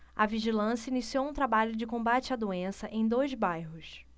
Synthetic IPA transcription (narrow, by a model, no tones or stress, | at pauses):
ɐviʒilɐ̃sjɐinisiowũt̪ɾabaʎʊd͡ʒɪkõmbat͡ʃɪɐd̪uẽsɐʔẽj̃d̪ojzbajɦʊs